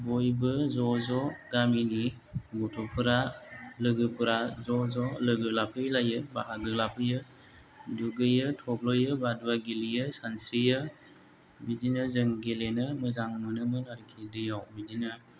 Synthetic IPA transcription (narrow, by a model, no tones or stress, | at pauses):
bɔjbɯzɔzɔɡamini | ɡɔtʰɔpʰɯɾalɯɡɯpʰɯɾazɔzɔlɯɡɯlapʰɯjlajɯbaɦaɡɯlapʰɯjɯ | duɡɯjɯtʰɔb̚lɔjɯbaduwaɡilijɯsansijɯ | bidinɯzɯŋɡelenɯmɯzaŋmɯnɯmɯnaɾikʰidɯjawbidinɯ